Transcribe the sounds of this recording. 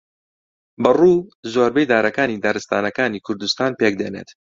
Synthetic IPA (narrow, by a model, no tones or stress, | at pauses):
bɐruːzoːɾbejd̪aːɾɐkaːniːd̪aɾɨst̪a̰ːnɐkaːniːkʰʊɾd̪ust̪aːnpek̚d̪eːnḛt̪